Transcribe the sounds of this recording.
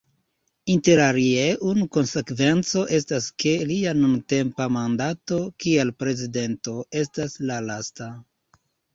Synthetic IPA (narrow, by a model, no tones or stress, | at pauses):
inte̞ɾaɾieʔunuko̞nse̞kve̞nt͡so̞ʔe̞staske̞lianunte̞mpamandato̞kielpɾe̞zide̞nto̞e̞staslalasta